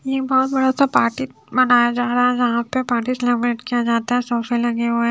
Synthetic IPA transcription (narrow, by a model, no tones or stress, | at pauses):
jebɔɦʊt̪bɐɽasapaːɾʈi | bɐnaːjad͡ʒaːɾaɦɛ̃d͡ʒɐɦãpepaːʈislɛmɾeʈkijad͡ʒaːt̪aɦɛ̃soːfelɐ̃ŋɡeɦoɦɛ